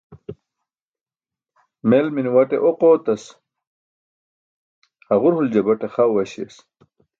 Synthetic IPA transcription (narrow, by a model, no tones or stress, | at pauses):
melminwɐʈeʔoqoːt̪ɐs | hɐʁuɾhuld͡ʑɐbɐʈeχawwɐɕḛs